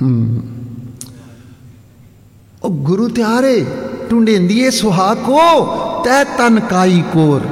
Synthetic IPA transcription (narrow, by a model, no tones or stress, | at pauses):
oːɡʊɾuːt̪ɪaːɾeːʈũːɳɖẽːnd̪ieːsʊɦaːkoːt̪ɛːt̪ənkaːiːkoːɾ